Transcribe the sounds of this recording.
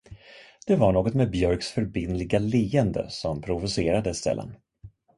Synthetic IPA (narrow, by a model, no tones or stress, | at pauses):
d̪̥ɛvaɳoːɡɔt̪mɛbjœɾksfœɾbɪnlɪɡaliːɛnd̪ə̰sɔmpʰɾʊvʊseːɾad̪əst̪ʰɛ̰lːə̰n